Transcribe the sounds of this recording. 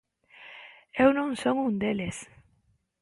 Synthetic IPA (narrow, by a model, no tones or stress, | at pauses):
ewnõŋsoŋũnd̪eles